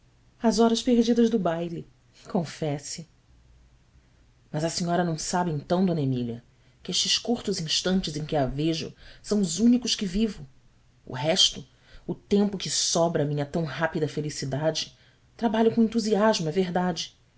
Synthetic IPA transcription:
ɐzɔɾɐspeɾd͡ʒid̪ɐzd̪ʊbajli | kõfɛsɪ | mɐzɐsiɲɔɾɐnɐ̃w̃sabɪẽt̪ɐ̃w̃d̪õnemiljɐ̰ | kɪeʃt͡ʃɪʃkuɾt̪ʊzĩʃt̪ɐ̃nt͡ʃɪzẽj̃kɪaveʒʊ̰sɐ̃w̃ʊzũnikʊʃkɪvivʊ | ʊ̰ɦɛʃt̪ʊ | ʊt̪ẽmpʊkɪsɔbɾɐːmĩɲɐt̪ɐ̃w̃ɦapid̪ɐfelisid̪ad͡ʒɪ̥ | t̪ɾabaʎʊkõẽnt̪uziaʒmʊɛveɦd̪ad͡ʒɪ

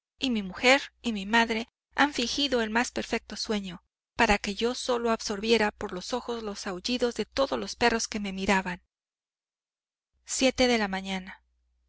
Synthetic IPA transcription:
imimuxe̞ɾimimaðɾe̞ | aɱfiŋxiðo̞e̞lmaspe̞ɾfe̞k̚t̪o̞swe̞ɲo̞ | paɾake̞ʝo̞so̞lo̞aβso̞ɾβje̞ɾapo̞ɾlo̞so̞xo̞zlo̞sawʝiðo̞zðe̞t̪o̞ðo̞zlo̞spe̞ro̞ske̞me̞miɾaβan | sje̞t̪e̞ðe̞lamãɲana

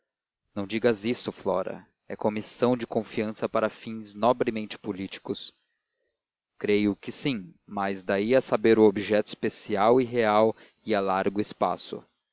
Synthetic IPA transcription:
nɐ̃w̃d͡ʒiɡɐzisʊflɔ̰ɾɐ̰ | ɛkomisɐ̃w̃d͡ʒɪkõfiɐ̃sɐpaɾɐfĩznɔbɾɪmẽnt͡ʃɪ̥pulit͡ʃi̥kʊs | kɾejʊkɪsĩmɐzd̪aiasabeɾʊobiʒɛt̪ʊi̥spesiawiɦeaw | ialaɾɡʊɪspa̰sʊ̰

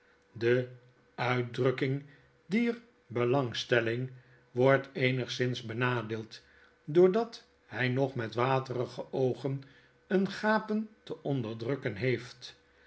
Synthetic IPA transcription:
də | œɥ̚drɵkɪŋ | diːr | bəlɑŋstɛlɪŋ | ʋɔɹtejnəχsɪnzbənaːdeːlˠt | dʊːɹdɑt | hɛjnɔχmɛtʋaːtərəχəʔowχən | ənχaːpəntəʔɔndəɹdrɵkənɦejft

